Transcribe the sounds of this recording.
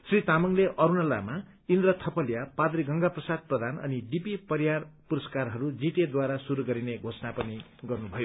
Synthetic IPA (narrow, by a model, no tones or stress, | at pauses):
srit̪amʌŋleʔʌɾunʌla̰ma | ind̪rʌt̪ʰʌpʌljapad̪ɾiɡʌŋɡaprʌsad̪̚prʌd̪ʱanʌ̰niɖipipʌɾjarpuɾʌskarɦʌɾud͡ziʈ̪ed̪waɾasuɾuɡʌɾineɡʱosnapʌni | ɡʌrnubʱʌjo